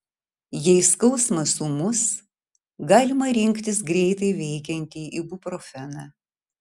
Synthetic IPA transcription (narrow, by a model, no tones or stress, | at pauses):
jɛɪskɐʊsmɐsumʊs | ɡɑːlʲɪmɐɾʲɪŋʲkt̪ʲɪs̬ɡɾʲɛɪt̪ɐɪʋʲɛɪkʲɛnʲt̪ʲiːʔibʊpɾofʲɛnɑː